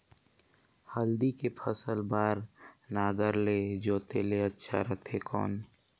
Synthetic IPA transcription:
həld̪ikepʰəsəlbaːɾnaːɡəɾleːd͡ʒoːt̪eleətːʃʰa̰ɾət̪ʰekɔ̰ːn

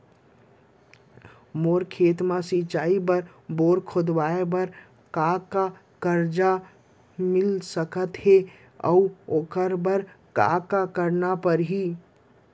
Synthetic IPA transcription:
moːɾkʰeːt̪mãsit͡ʃaːibəɾ | boɾkʰod̪ʋaebəɾ | kaka | kəɾd͡ʒa | mɪlsəkət̪ɦe | ɔ̰uokəɾbəɾ | ka̰kakəɾnapəɾɦi

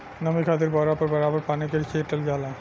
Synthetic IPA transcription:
nəmikʰad̪eɾbɔɾapəɾbɐɾabəɾpanekeɾikʰeʈəlɡala

